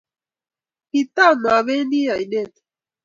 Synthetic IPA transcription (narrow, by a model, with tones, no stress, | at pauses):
pi˨t̪a˦˨ma˨βe˦ndi˦ja˨i˨nɛ˦˨t̪